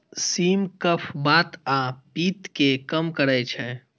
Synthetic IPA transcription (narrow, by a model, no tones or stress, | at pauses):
siːmkəpʰbaːt̪apiːt̪kekəmkəɾɛt͡ʃʰɛ